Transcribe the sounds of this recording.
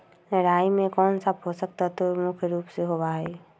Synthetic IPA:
ɾaːjmẽkɔːnsabɦosək̚t̪at̪omʊkʰjəɾuːpseɦobaːɦɛː

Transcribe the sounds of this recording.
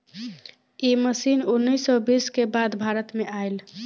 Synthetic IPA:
iməsinunːəjsːɔbiskebad̪bʱaɾət̪meʔael

